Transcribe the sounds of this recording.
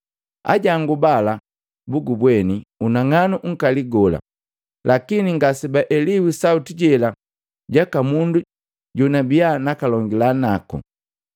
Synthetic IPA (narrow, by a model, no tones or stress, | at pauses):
a̰ɟaŋɡubala | buɡubwɛniunaŋanuŋ̩kaliɡɔla̰ | lʔakiniŋɡasibaʔɛliwisautiɟɛla | ɟakamundu | ɟunabianakalɔŋɡilanakṵ